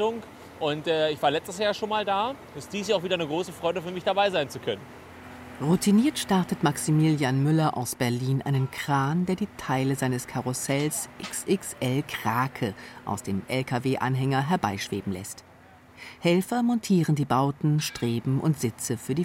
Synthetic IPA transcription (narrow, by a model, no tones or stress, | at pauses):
ʊŋ | ʔʊntɛːɪçv̥aːɐlɛt͡stəsjaːɐʃoːnmaːldaː | ɪst̚d̥iːsjaːaʊfviːdɐnəɡʁoːsəfʁ̥ɔʏɾəfyːɐmɪçd̥abaɪzaɪnt͡sukʰœnən | ʁutʰiniːɐtʃtaɐtətmaksimiːljaːnmʏlɐʔa̰ʊsb̥ɛɐliːnʔa̰ɪnənkʁ̥aːndeːɐdiːtʰaɪləzaɪnəskʰaʁosɛlsʔɪksʔɪksʔɛlkʁ̥aːkʰəʔa̰ʊsd̥eːmʔɛlkʰaveːʔa̰nɦɛŋɐɦɛɐbaɪʃv̥ḛːbm̩lɛ̰st | hɛlfɐmɔntʰiːʁ̞əndiːbaʊtn̩ʃtʁ̥eːbm̩ʔʊ̰ntz̥ɪt͡səfyːɐdiː